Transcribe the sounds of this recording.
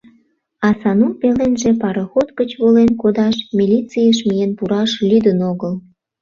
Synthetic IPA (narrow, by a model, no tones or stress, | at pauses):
ɑsɑnupelenʒepɑɾəxot̪kət͡ɕβolenkod̪ɑʃmʲilʲit͡sijəʃ̬mijenpuɾɑʃlʲyd̪ənoɣəl